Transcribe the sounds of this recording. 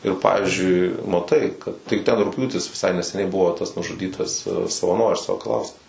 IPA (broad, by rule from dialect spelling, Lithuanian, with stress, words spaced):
ɪr ˈpɑːʋʲɪzʲd͡ʒʲʊɪ mɐˈtɐɪ kɐt tɐɪ ˈtʲɛn rʊkˈpʲjuːtʲɪs ʋʲɪˈsɐɪ nʲɛsʲɛˈnʲɛɪ ˈbʊʋoː tɐs nʊʒʊˈdʲiːtɐs sɐʋɐˈnoːrʲɪs sɐkɐˈlˠɐʊskɐs